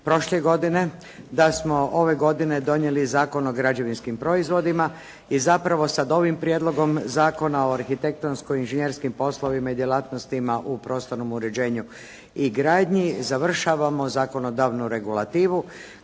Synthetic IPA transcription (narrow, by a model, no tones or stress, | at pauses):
pɾo̞ʃleɡo̞d̪ine̞ | d̪asmo̞ʔo̞ʋe̞ɡo̞d̪ine̞d̪o̞ɲje̞lizaːko̞no̞ɡɾad͡ʑe̞ʋinskimpɾo̞izʋo̞d̪ima | izapɾaʋo̞sad̪o̞ʋimpɾijed̪lˠo̞ɡo̞mzaːko̞nao̞aɾxit̪e̞k̚t̪onskoinʒeɲeɾskimpo̞slˠo̞ʋimaid̪jelˠaːt̪no̞st̪imaʔupɾo̞ːst̪o̞ɾno̞muɾe̞d͡ʑe̞ːɲu | iɡɾaːd̪ɲizaʋr̩ʃaʋamo̞zaːko̞no̞d̪aːʋnuɾe̞ɡulat̪iːʋu